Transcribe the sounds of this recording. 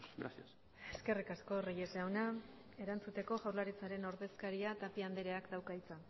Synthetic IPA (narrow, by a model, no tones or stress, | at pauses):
ɡɾa̰sis | e̞ske̞rikasko̞rijezeawna | e̞ɾant͡sut̪e̞ko̞ʝawlaɾit͡saɾe̞no̞ɾðe̞skaɾiat̪apiand̪eɾeakd̪awkait͡sa